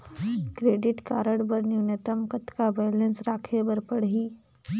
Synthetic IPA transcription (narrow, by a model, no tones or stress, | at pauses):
kɾeːɖɪʈkaːɾəɽbəɾnjunet̪əmkət̪kabɛːlə̃nsɾaːkʰebɐɾpəɽɦiː